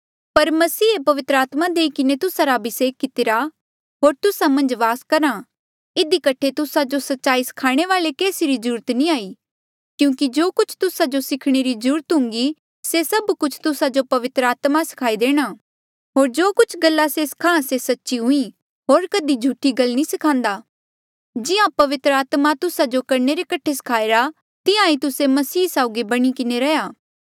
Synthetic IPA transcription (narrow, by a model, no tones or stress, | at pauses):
pɐɾmɐsiːepɐʋɪt̪ɾəaːt̪mad̪eːikɪnet̪ʊsaɾabɪseːkːɪt̪ɪɾa | ɦoːɾt̪ʊsamɐ̃nd͡ʒʋaːskɐɾa | ɪd̪ikɐʈʰet̪ʊsad͡ʒosɐtːʃaːisɐ̥kʰaːɽ̃eʋaːlekeːsiɾizəɾuːɾət̪nĩaːiː | kjũːkid͡ʒoːkʊt͡ʃʰt̪ʊsad͡ʒosɪkʰɽ̃eɾizəɾuːɾət̪ɦʊ̃ŋɡi | sesɐbkʊt͡ʃʰt̪ʊsad͡ʒopɐʋɪt̪ɾəaːt̪masɪ̥kʰaːid̪eːɽ̃aː | ɦoːɾd͡ʒoːkʊt͡ʃʰɡɐlːaseskʰãːsesɐtːʃiɦʊ̃ĩ | ɦoːɾkɐd̪id͡ʒʱuʈʰiɡɐlnĩsɪkʰãːnd̪aː | d͡ʒɪjãpɐʋɪt̪ɾəaːt̪mat̪ʊsad͡ʒokɐɾneɾekɐʈʰesɐ̥kʰaːeɾa | t̪ɪjãit̪ʊsemɐsiːsaʊɡibɐɽ̃ikɪneɾɐjaː